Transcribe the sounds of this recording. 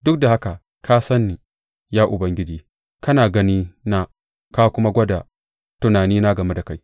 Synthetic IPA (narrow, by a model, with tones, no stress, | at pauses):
dʊ˦k̚da˨ha˦ka˨ | kʰaː˦sɐ˦nːi˨ | jaː˦ʔʊ˨bɐ˨˦ŋɡʲɪ˦d͡ʒiː˦ | kɐ˦naː˨ɡɐ˦niː˦na˦ | kaː˦kʷʊ˦ma˦ɡʷɐ˦da˨ | tʊ˦naː˨niː˦na˦ɡɐ˨me˦da˨ka˦j